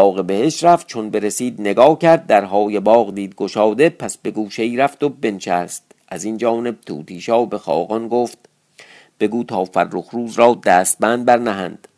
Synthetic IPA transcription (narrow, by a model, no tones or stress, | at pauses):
bɒːɣebe̞heʃt̪ɾæft̪̚t͡ʃʰonbe̞ɾesiːd̪ne̞ɡɒːcʰæɾd̪̚ːæɾɦɒːjebɒːɣd̪iːd̪̚ɡoʃɒːd̪e̞pʰæsbe̞ɡuːʃeiːɾæft̪obe̞nʃæst̪̚ | ʔæzind͡ʒɒːne̞b̚t̪ʰṵːt̪ʰiːʃɒːbe̞xɒ̰ːɣɒnɡoːft̪̚ | b̥e̞ɡuːt̪ʰɒːfærːoxɾuːzɾɒːd̪æːst̪̚bænd̪̚bæɾnæɦænd̪̥